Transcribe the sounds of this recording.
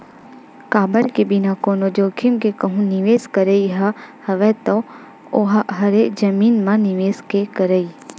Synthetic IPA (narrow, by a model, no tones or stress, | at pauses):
kaːbəɾkebɪnakoːnod͡ʒoːkʰimkekɐɦũnɪʋeːskəɾeiɦɐhɐʋɛt̪o | oɦɦɐɾed͡ʒɐmiːnmãnɪʋeːskekəɾəi